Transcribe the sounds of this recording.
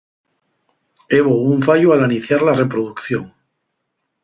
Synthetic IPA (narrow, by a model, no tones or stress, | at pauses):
eβouɱfaʎoalaniθjaɾlare̞pɾoðukθjoŋ